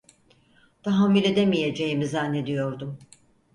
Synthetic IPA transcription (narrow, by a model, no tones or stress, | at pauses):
t̪ʰaɦamːylʲe̞d̪emije̞d͡ʒe̞jimizanːe̞d̪ijo̞ɾd̪um